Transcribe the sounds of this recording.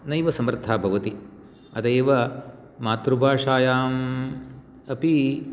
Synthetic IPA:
nɐjʋɐsɐmɾt̪ʰaːbʱɐʋɐt̪i | ɐd̪ɐːʋɐ | maːt̪ɾubʱaːʂaːjaːm | ɐpi

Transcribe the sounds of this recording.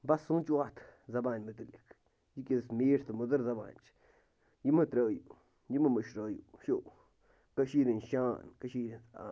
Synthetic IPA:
basut͡ʃuat̪ʰzabanmət̪ilik | jikʲismiɾt̪amud̪əɾzaba̰nt͡ʃ | jimət̪ɾəju | jiməməʃɾəjṵʃuʔ | kaʃiɾənʃaːnkaʃiɾisa̰

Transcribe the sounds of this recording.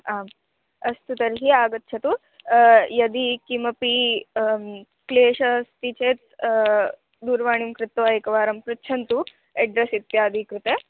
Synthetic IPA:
aːm | ɐst̪ut̪ɐɾɦiaːɡɐt̪ːt͡ʃʰɐt̪u | jɐd̪ikimɐpi | kleːʃɐst̪it͡ʃeːt̪̚ | d̪uːɾʋaːɳimkɾɪt̪ɐʋaːjɐkɐʋaːɾɐmpɾɐtːt͡ʃʰɐnt̪u | eɖɾɐsit̪jaːd̪ʱikɾut̪e

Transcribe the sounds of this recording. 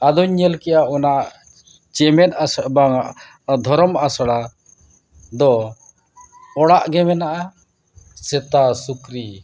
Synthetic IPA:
ad̪uɲːɛlkɛjaʔɔnaʔʔ | t͡ʃɛmɛt̪asbaŋaʔ | d̪ʱɔɾɔmasɔɽa | d̪ɔ | ɔɽaʔɡɛmɛnaʔa | sɛt̪asukɾi

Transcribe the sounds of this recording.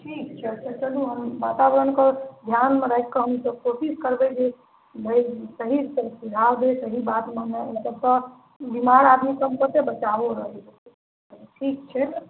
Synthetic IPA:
ʈʰiːk̚t͡ʃʰɛt͡ʃʰat͡ʃəluɦəmʋat̪aʋəɾənkəd̪ʱjanmẽɾəekkəɦəmsəbposiskəɾbed͡ʒe | bʱəisəɦisəsiɡʱawd̪esəɦibaːt̪mənasəbsə | bimaɾad̪mikəmkəɾt̪ebət͡ʃaʋoɾəɦe | ʈʰiːk̚t͡ʃʰɛ

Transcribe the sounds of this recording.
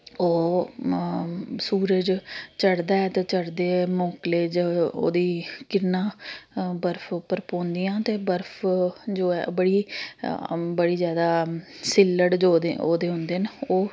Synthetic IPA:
oː | suːɾəd͡ʒt͡ʃəɽd̪aːɛːt̪eːt͡ʃəɽd̪eːmõːkleːd͡ʒo̰ːd̪iːkɪnãːbəɾpʰpːəɾpõːnd̪ijãːt̪eːbəɾpʰd͡ʒoːɛ̰bəɽiː | bəɽiːzjaːd̪aːsɪlːəɽd͡ʒoːd̪eo̰ːd̪eːɦʊ̃nd̪eːnoː

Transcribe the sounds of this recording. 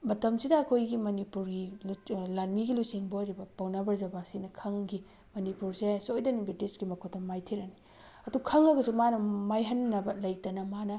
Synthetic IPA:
mɐtɐmsidɐːkʰojɡimɐnipuɾɡillanmiɡilusiŋbojɾibɐpɐwnɐbɐɾzɐbasinɐkʰɐŋɡi | mɐnipuɾsesojdɐnibidisɡimɐkʰotːɐmajtʰiɾɐni | ɐdukʰɐŋɐɡɐsumanɐmajɦɐnːɐbɐlɐjtɐnɐmanɐ

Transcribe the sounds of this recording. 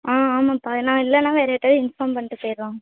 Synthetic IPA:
aːaːmaːpːaːnãːɪlːɐnːãːʋeːɾɐɛʈːɐðɯɪnfaːmpɐɳːʈːɯpɔjɾʋãː

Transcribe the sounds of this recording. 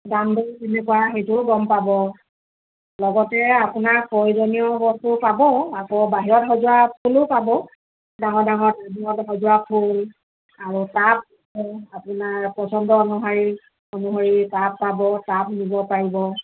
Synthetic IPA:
ɡamdetinɛkʊwaxetʊɡɔmpabɔ | lɔɡɔtɛapʊnaɹpɔɹizɔnijɔbɔstʊpabɔakɔbaɦiɹɔtɦɔzʊapʰulʊpabɔ | daŋɔɹdaŋɔɹdaniɔtɦɔzʊapʰul | aɹutap̚ibɔapʊnaɹpɔsɔndɔɔnuɦaɹi | ɔnuɦoɹipapːabɔtap̚nibɔpaɹibɔ

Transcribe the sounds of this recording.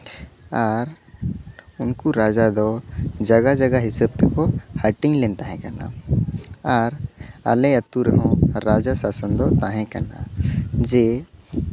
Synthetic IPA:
aɾ | unkuɾad͡ʒad̪ɔd͡ʒɐɡad͡ʒɐɡaɦɪsəb̚t̪ɛkɔhəʈɪ̃ŋlɛnt̪aɦɛ̃kana̰ | aɾa̰lɛət̪uɾɛɦɔ̃ɾad͡ʒasasənd̪ɔt̪aɦɛ̃kana̰d͡ʒe

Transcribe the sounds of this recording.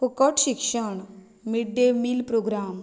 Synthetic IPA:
ukəʈʃɪkʃəɳ | miɖemilpɾoːɡɾaːm

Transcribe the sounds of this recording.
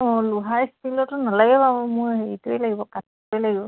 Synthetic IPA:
ɔ̃luɦajstʰilɔtʊnalaɡɛpabɔmʊjheɹituejlaɡibɔkatʰtuejlaɡibɔ

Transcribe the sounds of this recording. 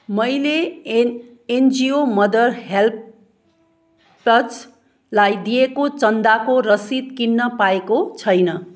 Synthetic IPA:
mʌjle | end͡ziomʌd̪ʌrɦelp | ʌt͡s | lajd̪ijekot͡sʌnd̪akoɾʌsid̪̚kinːʌpaekot͡sʰʌjnʌ

